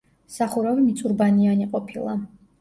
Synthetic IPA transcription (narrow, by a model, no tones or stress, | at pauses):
saχuɾavimit̪sʼuɾbanianiqʼɔpʰilˠa